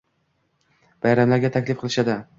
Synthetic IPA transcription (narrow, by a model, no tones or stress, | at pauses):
b̥ajɾamlaɾɡʲat̪ʰakʲlɪfqʰɨlˠɪʃad̪ɪ